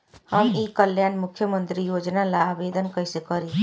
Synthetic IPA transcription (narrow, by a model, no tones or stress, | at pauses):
həmikəljanmukʰːjəmənt̪ɾijod͡ʒnalabed̪ənkəɦjsekəɾi